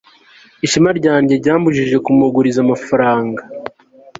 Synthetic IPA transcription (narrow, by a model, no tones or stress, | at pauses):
iʃimaɾɟaːɲɟe̞ɾɟaːmbuʒiʒe̞kumuɡuɾizamafaɾaːŋɡa